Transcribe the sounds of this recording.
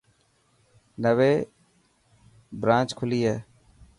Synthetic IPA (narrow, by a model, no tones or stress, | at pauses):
nəʋeː | bɾãːt͡ʃkʰʊliːɦeː